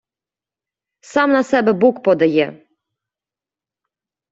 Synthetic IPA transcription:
sɑmnɐsɛbɛbukpɔd̪ɐjɛ

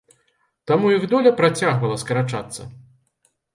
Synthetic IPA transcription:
t̪amujiɣd̪ɔlʲɐpɾat͡sʲaɣvɐlˠɐskɐɾat͡ʂa̰t̪sːɐ̰

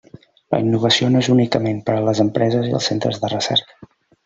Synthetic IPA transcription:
lə̰inːuβ̞əsionoezunikəmempəɾələzəmpɾɛzəziə̰lˠsent̪ɾə̰zðərəsɛ̰ɾkə̥

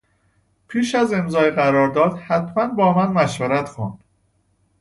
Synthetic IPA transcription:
pʰiːʃæze̞mzɒːjeɢæɾɒːɾd̪ɒːd̪̥hæt̪ʰmænbɒːmænmæʃvæɾæt̪xund̪̥

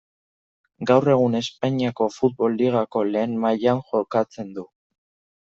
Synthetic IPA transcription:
ɡawre̞ɣ̞une̞spaɲiako̞fut̪̚βo̞lːiɣ̞ako̞le̞ːnmajanʝo̞kat͡se̞nd̪u

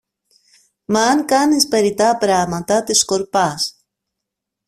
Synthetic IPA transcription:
mɐːŋkɐnispe̞ɾit̪ɐpɾɐmɐt̪ɐt̪isko̞ɾpɐs

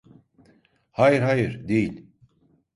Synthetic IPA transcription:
hajɨɾɦajɨɾd̪eilʲ

